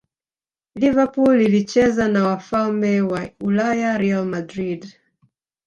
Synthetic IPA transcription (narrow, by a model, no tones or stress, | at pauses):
livapulilit͡ʃɛzanawafalmɛwaulajaɾɛalmadɾid